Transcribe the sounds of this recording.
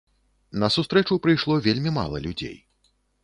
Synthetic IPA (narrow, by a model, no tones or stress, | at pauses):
nɐsust̪ɾɛt͡ʂupɾɨjʂlˠɔvʲelʲmʲima̰lˠɐ̰lʲud͡zʲḛj